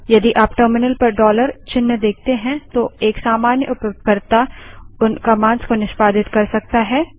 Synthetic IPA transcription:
jɐd̪iʔaːpʈəːɾmɪnəlpɐɾɖɔːləɾt͡ʃɪnːəd̪eːk̚ʰt̪eɦɛ̃t̪oeːksaːmaːnjə̰ʔʊpkəɾt̪aʊnkɐmãːnskonɪʃpaːd̪ɪt̪kɐɾsɐk̚t̪aɦɛː

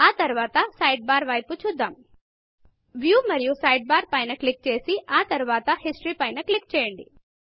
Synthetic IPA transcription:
aːt̪ɐɾuʋaːt̪ɐsɐjɖ̚baːɾʋɐjput͡ʃud̪ːaːm | ʋjuːmɐɾijusɐjɖ̚baːɾpɐjnɐkɭik̚t͡ʃe̞ːsiaːt̪ɐɾuʋaːt̪ɐhisʈɾiːpɐjnɐklik̚t͡ʃɛːjɐɳɖḭ

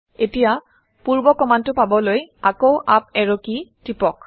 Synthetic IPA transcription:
etija | puɹbɔkɔmantʊpabɔlojakowʔap̚ɛɹokitipɔk

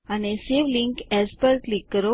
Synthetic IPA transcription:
añeseʋliŋkɛspəɾklikːəɾo

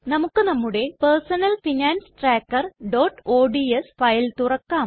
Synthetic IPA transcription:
nɐmukːɨnɐmːuɽe̞persɐnɐlfinaːnsʈraːkːɐrɖo̞ːʈːoːɖiesfɐjilt̪urɐkːaːm

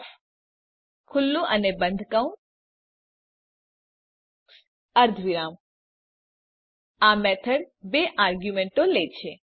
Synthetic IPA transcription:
kʰʊlːũʔənebə̃nd̪ʱkaũ | əɾd̪ʱʋiɾam | amɛt̪ʰəɽ | beʔaɾɡjumẽɳʈolet͡ʃʰe

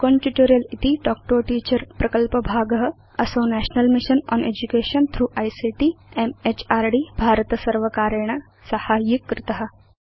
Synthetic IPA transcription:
kõnʈuʈoːɾijɐlit̪iɖɔːk̚ʈoːʈiːt͡ʃəɾpɾɐkəlpəbʱaːɡɐɦɐ | ɐsoːnɛːʃnɐlmɪʃənɔ̰ːneːd͡ʒukeːʃɐnt̪ʰɾuːʔaːjsiːʈiemet͡ʃaːɾɖiːbʱaːɾət̪sɐɾʋəkaːɾəɽ̃ɐ | sɐhaːjɪkːɾɪt̪ɐɦɐ

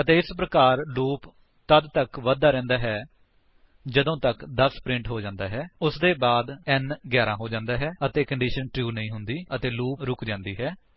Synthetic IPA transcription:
ət̪eːɪspɾəkaːɾluːp | t̪əd̪t̪əkʋəd̪ːaːɾɛ̃ːnd̪aːɦɛː | d͡ʒəd̪õːt̪əkd̪əspɾɪ̃ɳʈɦoːd͡ʒãːnd̪aːɦɛːʊsd̪eːbaːd̪ɛnɡjɛːɾãːɦoːd͡ʒãːnd̪aːɦɛːət̪eːkəɳɖiːʃənʈjuːnəĩːɦʊnd̪iːət̪eːluːpɾʊkd͡ʒãːnd̪iːɦɛː

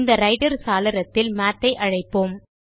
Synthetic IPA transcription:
nd̪ɐɾɐɪɖɐɾsaːlɐɾɐt̪ːɪlmaːt̪ːɐɪʔɐɻɐɪpːoːm

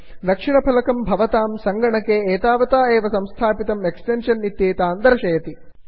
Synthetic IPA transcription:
d̪ɐkʂinɐpʰɐlɐkɐmbʱɐʋɐt̪aːmsɐŋɡɐɳɐkeːeːt̪aːʋɐt̪aːeːʋɐsɐmst̪ʰaːpit̪ɐmeksʈenʂɐnːit̪jeːt̪aːnd̪ɐɾɐʃɐjɐt̪i

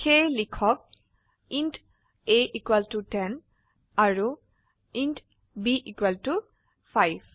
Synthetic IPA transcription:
xelikʰɔk̚ | int | eʔikwɛltutɛn | aɹu | int | biʔikwɛltu | pʰajb

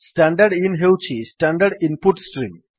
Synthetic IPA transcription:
sʈaɳɖəɾɖinɦewt͡ʃʰisʈaɳɖəɾɖinpuʈsʈɾim

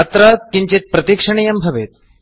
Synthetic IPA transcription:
ɐt̪ɾat̪̚kiɲt͡ɕet̪̚pɾɐt̪ikʂɐɳ̃ijɐmbʱɐʋet̪̚

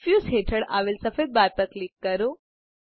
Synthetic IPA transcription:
fjuːsɦeʈʰəɽa̰ʋilsɐfed̪̚bajpəɾklikːəɾu

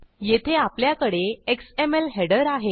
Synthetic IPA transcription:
jet̪ʰeapljakəɽeeksemelɦeɽəɾaɦe

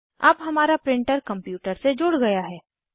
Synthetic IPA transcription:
ɐ̰bɦɐmaːɾapɾɪ̃ɳʈəɾkɐ̃mpjuːʈəɾsed͡ʒʊɽɡɐjaɦɛː

